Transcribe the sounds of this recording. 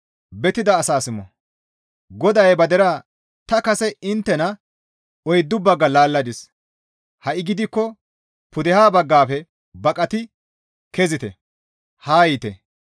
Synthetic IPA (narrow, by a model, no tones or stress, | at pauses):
bɛt̪ɪd̪ɐːsaːsɪmɔ̰ | ɡɔd̪ɐjbɐd̪ɛɾa | t̪ɐkɐsɛɪnt̪ːɛnɐ | ɔjd̪ːʊbːɐɡːɐlaːlːɐd̪ɪs | hɐʔɪɡɪd̪ɪkːɔ | pʊd̪ɛhaːbɐɡːaːfɛ | bɐkʼɐt̪ɪ | kɛzɪt̪ɛ̰ | haːjɪt̪ɛ̰